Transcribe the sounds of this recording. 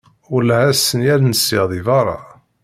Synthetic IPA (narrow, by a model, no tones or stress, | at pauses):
ʊlæhæsːənjælnəsiʁðˤivɑɾˤɑ̰